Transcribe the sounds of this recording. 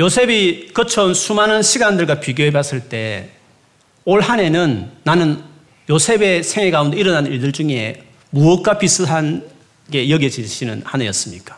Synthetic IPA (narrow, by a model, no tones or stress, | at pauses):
josʰe̞bikɯt͡ɕʰonsʰumanɯnɕʰiɡandɯɭɡapiɡjoɦebas͈ɯɭt͈e̞ | oɭɦane̞nɯnːanɯn | josʰe̞be̞sʰeŋe̞ɡaunde̞iɾʌnanniɭdɯɭd͡ʑuŋe̞ | muʌk̚k͈apis͈ɯɦan | ɡe̞jʌɡed͡ʑiɕʰinɯ̰nhanɯjʌs͈ɯmɲik͈ḁ